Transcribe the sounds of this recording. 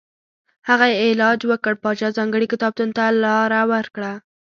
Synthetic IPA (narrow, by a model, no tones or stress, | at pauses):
haɣajeelɑd͡ʒwəkəɽpɑd͡ʒɑzɑŋɡəɽikɪt̪ɑb̚t̪unt̪alɑɾawəɾkɽa